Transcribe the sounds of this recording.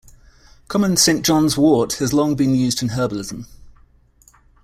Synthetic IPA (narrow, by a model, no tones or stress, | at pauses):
kʰɒmə̃nsẽɪ̃nd̥ʒ̥ɒ̃nzwɔˑthəzlɒ̃ŋbĩnjʉːzdɪ̃nɦɜːbəlɪzə̃m